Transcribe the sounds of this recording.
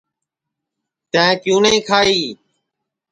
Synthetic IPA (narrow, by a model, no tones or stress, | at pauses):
t̪ə̃kjũːnəĩːkʰaːiː